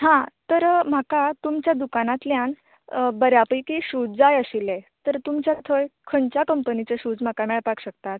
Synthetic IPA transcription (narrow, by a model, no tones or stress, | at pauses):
ɦãt̪əɾm̤akat̪umt͡ɕjad̪ukanat̪ljan | bəɾjapəjkiɕud͡zd͡zajəɕilet̪əɾt̪umt͡ɕjat̪ʰojkʰəɳt͡ɕjakəmpənit͡seɕuːd͡zm̤akamɛɭpakɕək̚t̪at̪